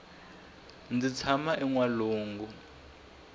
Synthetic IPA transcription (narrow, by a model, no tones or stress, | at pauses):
nd͡zit͡sʰamaʔiŋwaluːŋɡu